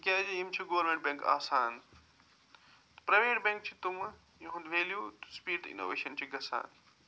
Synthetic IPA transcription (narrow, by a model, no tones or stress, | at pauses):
kʲaːd͡ʑeimt͡ʃʰuɡoʋɾmẽɳʈ̚bẽŋka̰ːsaːn | t̪pɾɐʋeːʈbẽːŋkt͡ʃʰit̪um | juɦũnd̪ʋeːljuːt̪spiːɾʈḭno̰ːʋḛːʃɐnt͡ɕʰiɡɐsa̰ːn